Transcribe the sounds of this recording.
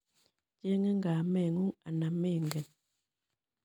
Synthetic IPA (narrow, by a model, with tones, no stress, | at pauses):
t͡ʃe˦ŋe˦ŋ˦ɡa˨mɛ˦˨ŋu˦ŋa̰˨na˨me˦˨ŋɡɛ˨n